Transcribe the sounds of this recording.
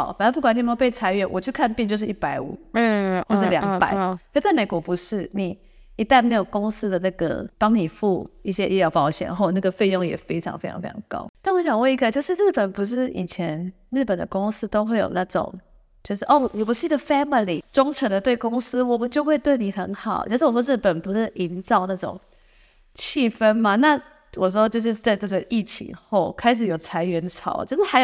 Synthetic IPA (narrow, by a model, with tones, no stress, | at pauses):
ɑ̰˨˦fa˨nə˥pu˥kwa˨˩nʰ˥˩m˧˥o˧pe˥˩ɪt͡sʰa˥ɪɥɛ˥˩wʔɔ˨˩t͡ɕʰy˥˧kʰa˥˧npi˥˧t͡ɕo˥˧ʊʂɻ̩˥˩ʔi˥˩pa˧˥ɪṵ˨˩˦wɔ˥˧ɻ̩˧˩ljɑ˨˦˧pa̰˨˦ɪ˥˩t͡sa˥˩ɪme˨˩kwɔ˧˥pu˨˧˥ʂɻ̩˥˩ni˨˩˦ | i˧˥t̪a˥˩nme˧˥ɪjo˨˩ʊkʊ˥ŋsɹ̩˥d̪ə˨na˥˩ɡə̰˩pɑ˥ŋni˨˩fu˥˧i˥˩ɕjɛ˦˥ʔi˥˩ljɑ˥ʊpɑ˥ʊɕjɛ̰˨˩nxo˥˧ʊna˥˩ɡə˩fe˥˧ɪjʊ˥˩ŋjɛ̰˨˩fe˥ɪʈ͡ʂʰɑ̰˧˦ŋfe˥ɪ̰˨˦ŋfe˥ɪɑ̰˧˥ŋkɑ̰˥ʊna˥˩nwɔ˧˥ɕjɑ˨˩ŋwɛ˥˩i˧˥ɡə˨t͡ɕjo˥˧ʊʂɻ̩˥˧ɻɻ̩˥˩pə˨˩npu˧˥ʂ̬ɻ̩˥˩ḭ˨˩t͡ɕʰjɛ˧˦n | ɻ̩˥˩pə˨˩nd̪ə̰˦kʊ˥ŋsɹ̩˥t̪o˥ʊxwe˥˩ɪjo̰˨˩ʊna˥˩ʈ͡ʂʊ̰˨˩˦ŋ | t͡ɕjo˥˧ʊʂ̬ɻ̩˥˩ʔɔ˥˩ni˨˩p̬u˧˥ʂɻ̩˥˩i˧˩ə˨˩fæ˥mi˨li˨˩ʈ͡ʂʊ˥ŋʈ͡ʂʰə˧˥ŋd̪ə˧t̪we˥˩ɪkʊ˥ŋsɹ̩˥wɔ˨˩mə˨˦t͡ɕjo˥˧ʊxwe˥˧ɪt̪we˥˩ɪni˨˩xə˧˥nxɑ˨˩˦ʊt͡ɕo˥˧ʂ̩˥˩wɔ˨˩ʂwɔ˥ɻ̩˥˩pə˨˩npu˧˥ʂɻ̩˥˩ʔi˧˥nt͡sɑ˥˧ʊna˥˩ʈ͡ʂʊ̰˨˩ŋ | t͡ɕʰi˥˩fə˥nma˨na˥˧ | wɔ˨˩ʂ̬ɔ˥t͡ɕjo˥˧ʊʂ̬ɻ̩˥˧t͡sa˥˧ɪʈ͡ʂɤ˥˩ɡə˨˩ʔi˥˩t͡ɕʰḭ˧˥˦ŋxo˥˩ʊkʰa˥ɪʂ̬ɻ̩˨˩jo˨˩ʊt͡sʰa˧˥ɪɥɛ˧˥nʈ͡ʂʰɑ̰˨˩˦ʊ˦t͡ɕjo˥˧ʂɻ̩˥˩xa˧˥ɪj